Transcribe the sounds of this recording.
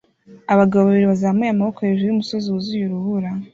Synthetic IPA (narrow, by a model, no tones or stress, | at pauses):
aβaɡaβoβaβiɾiβazamejamaβokojeʒejumuso̞ziwuzujuɾuβuɾa